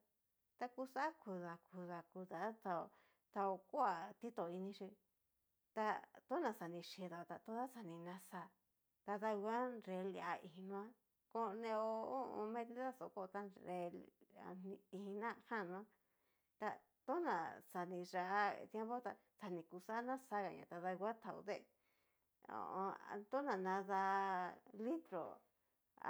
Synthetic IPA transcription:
t̪a˧ku˧sa˦ku˨˧ða˨ku˧ða˨ku˧ða˨˦t̪a˧o˧ | t̪a˧o˧ko˦a˨t̪i˦t̪o˨i˧nĩ˧ʃi˧ | t̪a˧t̪o˦nã˧˨sa˨nĩ˧ʃi˧˨ðo˨˧t̪a˧t̪o˦ða˦sa˧nĩ˧nã˧sa˧ | t̪a˧t̪a˧a˦nɾe˧li˧a˧i˧hi˧nũ˧ã˦ | ko˧˦˧nẽ˧o˧o˦ʔõ̰˧mẽ˧ði˦ða˦so˧˨ko˧t̪a˧ɾe˧la̰˨nĩ˧i˧i˧nã˦˧hã˦˨nũ˧ã˦ | t̪a˧ | t̪o˦nã̰˨sa˨nĩ˧ʐa˧ʔt̪je˦mbo˦t̪a˧ | sa˧nĩ˧ku˧sa˦nã˦sa˧ɣa˧ɲã̰˧˨t̪a˧ða˧ɡʷa˦t̪ʰa˨u˧ðe˦ | o̰˨õ˧a˧t̪o˦nã˨nã˧ða˧ | li˦t̪ɾo̰˨

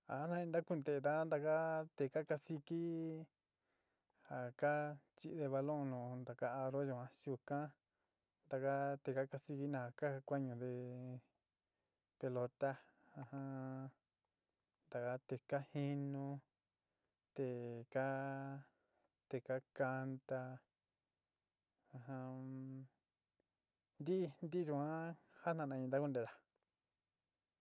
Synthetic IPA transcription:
a˨a˦nã˦ĩ˧nd̪a˦ku˦˧nd̪e˨˧t̪a˦nd̪a˧ka˦t̪e˨ka˦ka˧si˧ki˦ | ha˨ka˦t͡ʃi˦ʔðe˧βa˧lõ˦nũ˨nd̪a˨ka˦a˧ɾo˦ʒũ˨ã˧su˧kã˦ | nd̪a˧ka˦t̪e˨ka˦ka˧si˧ki˦nã˧˨ha˨ka˦˧kʷa˦ɲũ˧ðe˧ | pe˧lo˧t̪a˦ | ha˧hã˦ | nd̪a˨ka˧t̪e˧ka˦hi˦nũ˧ | t̪e˧ka˦ | t̪e˧ka˦ka˧nt̪a˧ | a˧ɦã˧ | nd̪i˦˧nd̪i˦t͡ʃũ˧ã˦ha˦nã˧nã˧ĩ˧nd̪a˦ku˦nd̪e˧˨ða˨

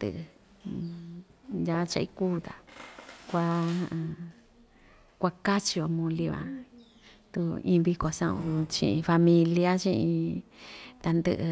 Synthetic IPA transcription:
d̪ɨ̰˧˨ɨ˧ | ja˧˦˧t͡ʃa˧i˦kuː˦t̪a˨kʷã˧ | kʷa˧ka˦t͡ʃi˧o˧mũ˧li˧βã̰˧ | t̪u˧ĩː˧βi˧ko˨sã̰˦˧ṵ̃˧t͡ʃḭ̃˧ʔĩ˧fa˧mĩ˧li˧a˦t͡ʃĩ˧ʔĩ˧ | t̪a˧nd̪ɨ̰˧ʔ

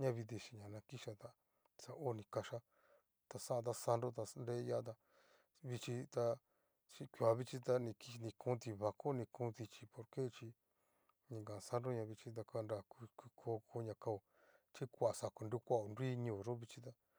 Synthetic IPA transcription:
ɲã˧βi˧ði˧ʃi˨ɲã˨nã˧ki˦ʃa˧t̪a˧ | sa˧o˦˧nĩ˧ka˧ʃa˦ | t̪a˧sã˦˧t̪̬a˧sa˧nɾo˦t̪a˧nde˦ja˦t̪̬a˧ | βi˧t͡ʃi˧t̪a˧ | t͡ʃi˧kʷju˧˨a˨˧βi˦˧t͡ʃi˧t̪a˧nĩ˧ki˧nĩ˧kũː˦t̪i˧βa˧ko˦nĩ˧kũː˦ði˧t͡ʃi˧po˧ɾke˦t͡ʃi˧ | ɲĩ˧ŋɡã˨sa˦nɾo˦ɲã˧βi˧t͡ʃi˧t̪̬a˧ka˧nɾa˧˨ku˧kʷi˧kʰo˧˦kʰo˧˦ɲã˧ka˧o˨ | t͡ʃi˦kʷa˨sa˨ko˧ndu˧˦˧kʷa˦˨o˧ndʷi˦ɲũ˧˨ɾo˦βi˧t͡ʃi˧t̪̬a˧

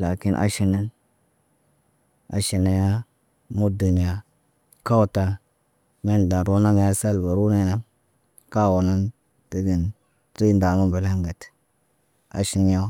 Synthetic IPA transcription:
la˨ki˦nʔa̰˦ʃi˦na˦n | a̰˨ʃi˨na˨ja˦ | mu˦du˨ni˨ja˨ | ka˦wu˦˨ta˦ | me˦n˨da˨ɾo˦na˦ŋa˨ja˦sa˦lba˨ɾu˦na˦˨na˦ | ka˦˨wo˨na˦n | tə˦ɡi˨n | ti˦nda˨mu˦ba˨la˦ŋɡa˨t | a̰˨ʃi˦nja˦

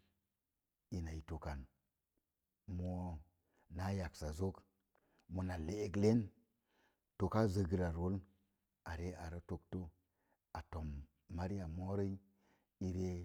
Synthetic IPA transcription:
i˨na˨i˨to˨ka˨n | mo˦ | na˦ja˨ksa˨zo˦k | mo˨na˨leː˦ɡle˦n | to˨ka˦zə˨ɡi˨ɾa˨ɾo˦l | a˨ɾe˦ʔa˨ɾə˦to˦kto˦ | a˨to˨mː | a˦ɾi˦a˨mo˦ɾə˦i˦ | i˨ɾe˦

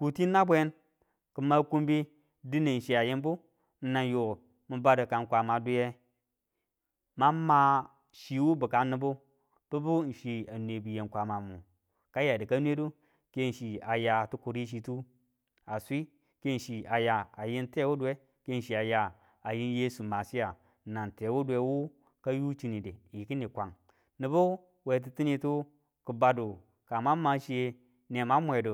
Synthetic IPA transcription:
ku˨ti˦nːa˦bʷe˦n | ku˨ma˦ku˦mbi˦ | di˦ne˨n̩˨ʃi˨a˨ji˦nbu˦ | n̩˦na˨njo˨ | mu˦ba˦də˨ka˨n˨kʷa˨ma˨du˦je˦ | ma˦ma˦ | ʃi˨wu˦bu˨ka˨nɨ˦bu˦ | b̥u˦bu˦n̩˨ʃi˨a˨nʷ˨e˨bu˨je˨nkʷa˨ma˨mu˨ | ka˦ja˨di˨ka˦nwe˦du˦ | ke˦n̩˨ʃi˨a˨ja˨tu˦ku˨ɾi˦ʃ̬i˨tu˦ | a˨sʷi˦ | ke˦n̩˨ʃi˨a˨ja˨a˨ji˦nte˦wu˦dwe˦ | ke˦n̩˨ʃi˨a˨ja˨ | a˨ji˦n˦je˦su˨ma˨si˦ja˨ | na˨nte˨wu˦de˨˦wu˦ | ka˦ju˦t͡ʃi˦ni˨de˨ji˨ki˦ni˨kʷa˨ŋ | ni˨bu˦ | we˨˦t̬i˨˦ti˦ni˦to˦ | ku˨ba˨do˨ | ka˨ma˦ma˨ʃi˦je˦ | ne˨ma˦mʷ˦e˨do˨

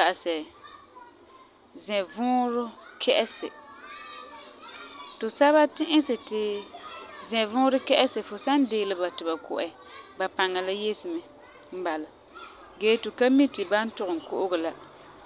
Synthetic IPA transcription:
a˨a˨sɛ˨ | zɛ̃˨vʊː˦ɾʊ˦kʰɛ˦ʔɛ˦sɪ̰˨ | tʊ˨sa˦βa˦tɪ˦ʔɪ˦sɪ˨tɪ˨ | zɛ˨vʊː˦ɾʊ˦kɛ˦ʔɛ˦sɪ˨fʊ˨sa˦n˦deː˨lɪ˦ba˨tɪ˨ba˨kʊ̰˨ʔɛ˨ | ba˨pa˨ŋːa˨la˦je˦sɪ˨mɛ˨ | m̩˦ba˨la˨ | ɡeː˨˦tʊ˨ka˦mi˦tɪ˨ba˦n˦tʊ˨ɣʊ˨ŋ˨kʊ˦ʔʊ˦ɡʊ˨la˦

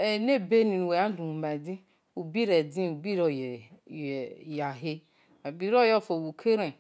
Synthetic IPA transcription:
e˨ne˦be˦ni˨nu˨we˨a˦du˨u˨ma˨di˦ | u˨bi˦ɾe˨di˦u˨bi˦ɾo˨j | ja˨ɦe˦ | a˨bi˨ɾo˦jɔ˦˨fo˨wu˨kʰe˦ɾe˨

